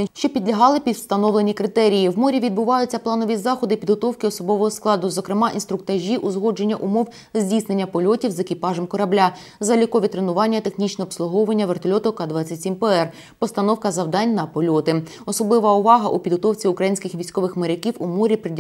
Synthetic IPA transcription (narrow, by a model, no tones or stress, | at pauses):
ʃt͡ʃɔpʲid̪lʲɐɦɑlˠɪpʲid̪wst̪ɐnɔʋlˠenʲikɾɪt̪ɛɾʲijiwmɔɾʲiʋʲid̪̚bʊʋɑjʊt͡sʲːɐplˠɑnɔʋʲizɑxɔd̪ɪpʲid̪ɦɔt̪ɔwkɪɔsɔbɔʋɔɦɔsklˠɑd̪ʊzɔkɾɪmɑʔinst̪ɾʊk̚t̪ɐʒʲiʔuzɦɔd͡ʒe̞nʲːɐʔʊmɔw | zʲdʲisne̞nʲːɐpɔlʲɔtʲiwzekɪpɑʒɛmkɔɾɐblʲa | zɐlʲikɔʋʲit̪ɾenʊʋɑnʲːɐt̪exnʲit͡ʃnɛɔpslˠʊɦɔʋɐnʲːɐʋert̪ɔlʲɔt̪ʊkɑd̪ʋɑt͡sʲːɐtʲsʲimpɛɛr | pɔst̪ɐnɔwkɐzɐwd̪ɑnʲnɐpɔlʲɔt̪ɪ | ɔsɔblˠɪʋɐʊʋɑɦɐʔupʲid̪ɦɔt̪ɔwt͡sʲiʊkɾɐjinʲsʲkɪxʋʲisʲkɔʋɪxmeɾekʲiwumɔɾʲipɾɪ